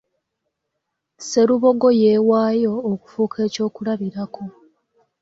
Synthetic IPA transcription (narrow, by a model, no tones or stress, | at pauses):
se̞ɾuβo̞ɡo̞je̞ːwaːjo̞ːku̥fuːkʰe̞ːco̞ːkulaβiɾakʰo̞